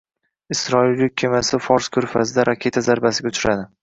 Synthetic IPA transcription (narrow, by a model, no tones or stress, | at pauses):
ɪsɾɒɪlːɪk̚ʲʰːemasɪfɒɾskʰɵɾfazd̪aɾʔakʲʰe̞t̪ʰazaɾbasɪɡʲaʊt͡ʃʰʊɾad̪ɪ